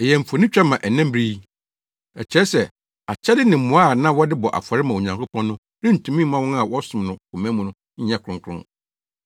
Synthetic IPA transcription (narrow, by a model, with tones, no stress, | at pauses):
e˨jɛ˨ɱ̩˨fo˨nɪ̃˦t͡ɕᶣa˦mã˨ʔɛ˨nɛ̃˦m˦bɾi˦ | ɛ˨t͡ɕʰɛ˦sɛ˨ | a˨t͡ɕʰɛ˦dɪ˦nɪ̃˨mːʊ̃˨˦a˦˨nã˦wɔ˦dɪ˦bɔ˨ʔa̰˨fa˨ɾɪ˦mã˨o˨ɲã˨ŋkʰʊ˦pʰɔ̃˦nːʊ̃˦ | ɾɪ̃˦n̩˨tʰũ˨mĩ˦mã˦wɔ̃˦na˨wɔ˦sʊ̃˨mnʊ̃˨kʊ˨mɛ̃˦mũ˨nʊ̃˦ | ɲ̩˦ã˦˨kʰʊ̃˦ŋkʰɾʊ̰̃˦